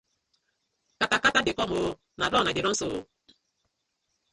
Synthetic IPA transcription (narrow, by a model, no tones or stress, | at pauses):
katakatadekɔmo | naɾɔnadeɾɔso